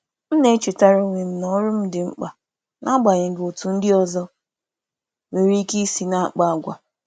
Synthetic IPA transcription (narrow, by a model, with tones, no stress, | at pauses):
m̩˦ne˦t͡ʃi˨ta˦ɾo˦ŋʷe˨m̩˨nɔ˦ɾʊ˦m̩˦dɪ˨ŋ͡m̩˦k͡pa˨ | na˦ɡ͡ba˨ɲɪ˨ɡo˨tu˨n̩˦dɪ˦ɔ˨zɔ˦ | we˨ɾi˦ki˦si˦na˦a˦˨k͡pa˦a˨ɡʷa˨